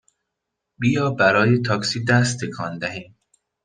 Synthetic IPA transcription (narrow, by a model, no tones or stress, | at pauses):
bijɒːbæɾɒːjet̪ʰɒːksiːd̪æs̬t̪ʰːekʰɒnd̪æɦiːm